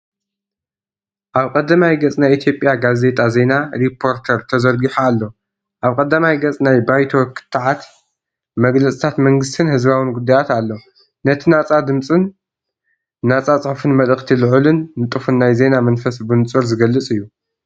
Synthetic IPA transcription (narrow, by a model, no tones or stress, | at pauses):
ʔaβkʼɐd̪amajɡɐt͡sʼnajʔit̪ʰjo̞pʼjaɡaze̞t̪ʼʰaze̞naɾipʰːo̞ɾt̪ʰɐɾt̪ʰɐzɐɾɡiħaːlːo | ʔaβkʼɐd̪amajɡɐt͡sʼnajbajt̪ʰokʰɨ̥t̪ʰːaʕat̪ | mɐɡlɐt͡sʼit̪ʰat̪mɐŋɡɨst̪ʰɨnhɨzβawɨnɡud̪ːajat̪alːo | nɐt̪ʰinat͡sʼad̪ɨmt͡sʼɨn | at͡sʼat͡sʼɨħfɨnmɐlɨxt̪ʰilɨʕulɨnːɨt̪ʼɨfunːajze̞namɐnfɐsbɨnt͡sʼɨɾzɨɡɐlːɨt͡sʼɨjːu